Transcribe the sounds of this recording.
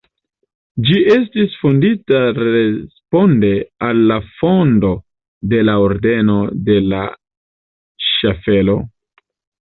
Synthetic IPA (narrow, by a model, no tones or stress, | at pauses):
d͡ʒiʔe̞stisfonditaɾespo̞nde̞alːafo̞ndo̞ | de̞laoɾde̞no̞de̞la | ʃafe̞lo̞